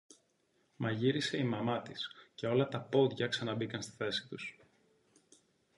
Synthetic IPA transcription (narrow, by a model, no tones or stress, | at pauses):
mɐʝiɾise̞imɐmɐt̪isce̞o̞lɐt̪ɐpo̞d̪ʝɐksɐnɐbikɐnst̪i̥θe̞si̥t̪us